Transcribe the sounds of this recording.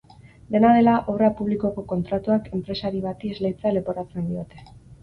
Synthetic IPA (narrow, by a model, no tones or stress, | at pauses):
d̪e̞nað̞e̞laʔoβrapuβliko̞ko̞ko̞nt̪ɾat̪uake̞mpɾe̞saɾiβ̞at̪iezlejt͡seale̞po̞ɾat͡se̞nd̪io̞t̪e̞